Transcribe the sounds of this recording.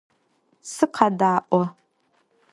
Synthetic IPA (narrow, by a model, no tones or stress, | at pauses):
sɨqʰɐdaːʔʷɔ